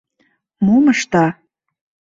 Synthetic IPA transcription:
moməʃt̪ɑ

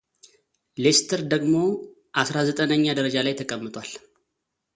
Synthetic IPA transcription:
lest̪ʰəɾd̪əɡmo̞ | ʔasɾazət̪ʼənəɲːad̪əɾəd͡ʒalajt̪ʰəkʼəmːɨt̪ʼwal

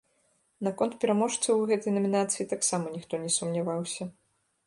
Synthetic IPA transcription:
nakɔnt̪̚pʲɛɾamɔʂt̪sɨwɣɛt̪ɐjnɐmʲinat̪sɨjit̪aksamɐnʲixt̪ɔnʲɛsumnʲavawsʲɐ

